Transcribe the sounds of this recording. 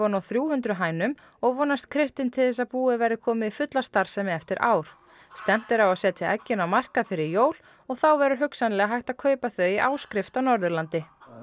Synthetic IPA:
ɔnawθɾjuːhʏnt̪ɾʏɦaːjnʏm | ɔɣvɔːnast̪̚kʰɾɪht̪ɪnt̪ʰɪlθɛsːaðpuːɪvajɾɪkʰɔːmɪifʏt̪last̪aɾ̥sɛmɛɛft̪ɪɾʔa̰ːwɾ̥ | st̪ɛm̥t̪ɪɾawasɛːt̪ʰɪʔɛ̰cːɪnawmar̥kaðfɪɾɪɾjoːwl̥ | ɔɣθawvɛɾʏɾɦʏksanlɛɣaɦajht̪aðkʰœːɥpaθœɥiʔaːwskɾɪft̪awnɔɾðʏɾlant̪ɪ

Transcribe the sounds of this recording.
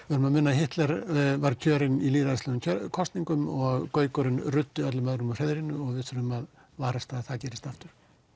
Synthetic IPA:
vɪɾʏmaðmɪnːahɪht̪lɛɾvaɾcʰœːɾɪniliːɾaðɪslɛɣʏmcʰkʰɔst̪niŋkʏmɔɣkœːɥkɔɾɪnrʏt̪ːʏœt̪lɪmœðɾʏmʏr̥ɛðɾinʏɔɣvɪðθʏɾʏmað | vaːɾast̪aðθaðcɛːɾɪst̪aft̪ʏɾ̥

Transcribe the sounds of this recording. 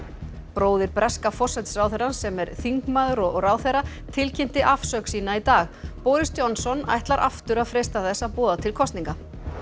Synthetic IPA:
pɾoːwðɪɾpɾɛskafɔr̥sɛt̪sraːwθɛɾansɛmɛɾθiŋkmaːðʏɾɔɣraːwθeɾa | t̪ʰɪlcʰɪm̥t̪ɪʔafsœksiːnait̪aːxpoːɾɪst̪jɔnsɔnːa̰jht̪laɾʔa̰ft̪ʏɾaðfɾejst̪aθɛsːaðpɔːðat̪ʰɪlkʰɔst̪niŋka

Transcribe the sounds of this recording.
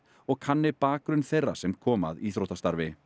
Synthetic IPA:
ɔɣkʰanːɪpaːkɾʏnθejrːasɛmkʰɔːma̰ðiθɾowt̪ast̪aɾvɪ

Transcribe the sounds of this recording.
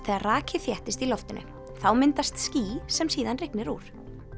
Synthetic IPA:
θɛːaraːcʰɪθjɛht̪ɪst̪ilɔft̪ɪnʔʏ̰ | θawmɪnt̪ast̪sciːsɛmsiːðanrɪknɪɾuːɾ̥

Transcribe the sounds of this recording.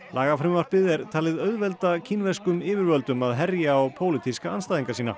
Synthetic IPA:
laːɣafɾɪmvar̥pɪðɛɾ̥t̪ʰaːlɪðœɥðvɛlt̪acʰinvɛskʏmɪːvɪɾvœlt̪ʏmaðɦɛrjaapʰoːwlɪt̪ʰiskaanst̪aːðiŋkasiːna̰

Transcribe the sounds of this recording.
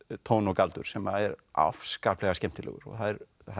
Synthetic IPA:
t̪ʰownɔkalt̪ʏɾ̥sɛmaɛɾa̰fskaːplɛɣascɛm̥t̪ɪlɛ̰ɣʏ̰ɾɔ̰ɣθaðɛɾ | a

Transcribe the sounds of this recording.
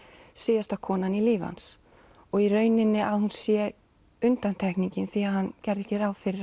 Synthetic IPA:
seːjast̪ḁkʰɔːnaniliːva̰ns | ɔɣirœːɥnɪnːɪʔaðhunsjɛ | ʏnt̪ant̪ʰɛhkniɲcɪnθiahanːcɛɾðɛhcɪɾaːwfɪɾɪɾ

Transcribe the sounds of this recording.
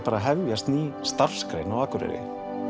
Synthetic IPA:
paːɾaɦɛvvjast̪nist̪ar̥skɾḛjnawaːkʏɾɪ̰ɾɪ̰

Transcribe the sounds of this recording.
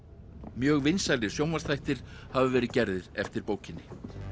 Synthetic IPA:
mjœːɣvɪnsalɪ̥sjowmḁst̪ʰajht̪ɪɾ̥havʏvɛːɾɪðcɛɾðɪɾ̥ɛft̪ɪɾpoːwcɪnːɪ

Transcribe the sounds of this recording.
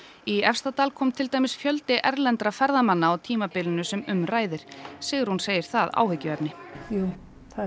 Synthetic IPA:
iɛfst̪at̪aːlkʰɔːmt̪ʰɪlt̪aːjmɪsfjœlt̪ɪʔɛɾlɛnt̪ɾafɛɾðamanːaːwt̪ʰiːmapɪlɪnʏsɛmʏmraːjðɪɾ̥sɛːɣɪɾhunseːjɪɾ̥θaða̰ːwhʏcːɪvɛpnɪjuː

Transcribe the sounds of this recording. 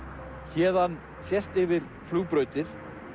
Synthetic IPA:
çɛːðan | sjɛst̪ɪvɪɾ̥ | fluːpɾœːɥt̪ɪɾ̥

